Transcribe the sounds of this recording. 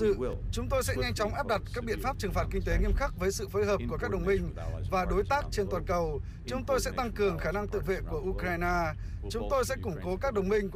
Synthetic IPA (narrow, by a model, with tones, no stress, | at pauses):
ɨ̰˧˨t͡ɕʊ˨˦ŋ͡mt̪o˧jsɛ̰˧˥ɲa˧jŋ̟t͡ɕɔ˨˦wŋ͡mʔaː˦˥p̚ɗa˨˩t̚kaː˦˥k̚ɓḭ˧˨ənfaː˦˥p̚t͡ɕɨ˨˩ŋfaː˨˩t̚kï˧ŋ̟t̪e˨˦ŋi˧əmxa˦˥k̚vəː˨˦jsɨ̰˧˨foː˨˦jɦəː˨˩p̚ku˧˩əkaː˦˥k̚ɗə˨˩wŋ͡mmï˧ŋ̟vaː˨˩ɗo˨˦jt̪aː˦˥k̚t͡ɕe˧nt̪waː˨˩nkə˨˩w | t͡ɕʊ˨˦ŋ͡mt̪o˧jsɛ̰˧˥t̪a˧ŋkɨ˨˩əŋxaː˧˩na˧ŋt̪ɨ̰˧˨vḛ˧˨ku˧˩əʔu˧kɾaː˧jnaː˧ | t͡ɕʊ˨˦ŋ͡mt̪o˧jsɛ̰˧˥kʊ˧˩ŋ͡mko˨˦kaː˦˥k̚ɗə˨˩wŋ͡mmï˧ŋ̟˧